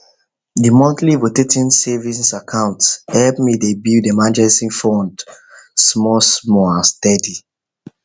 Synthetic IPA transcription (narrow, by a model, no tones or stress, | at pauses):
dimɔ̃ntlivotetĩnsɛvĩnsakʰãʊ̃ntshɛlpmidebidemãnd͡ʒɛsĩnfɔ̃nd | smɔsmɔãstɛdi